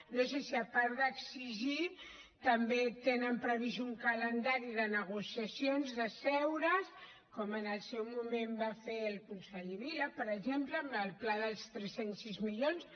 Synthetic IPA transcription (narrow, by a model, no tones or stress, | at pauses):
nosesiəpaɾðəksiʒi | t̪əmbet̪enəmpɾəβizuŋkələnd̪aɾiðənəɣusiəsionzðəsɛwɾəs | kɔmənəlˠsɛwmumembafeəlˠkunsaʎiβiləpəɾəʒempləməlˠplaðəlˠst̪ɾɛsensizmiʎons